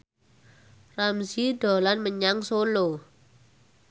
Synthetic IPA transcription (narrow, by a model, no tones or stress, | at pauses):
ramziɖo̤lanməɲaŋsolo